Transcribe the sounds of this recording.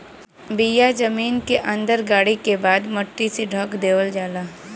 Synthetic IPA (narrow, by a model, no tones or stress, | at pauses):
bijad͡ʒɐmiːnkeʔɐ̃nd̪əɾɡaːɽikebaːd̪məʈːiseɖʱəkd̪eːʋəld͡ʒaːlaː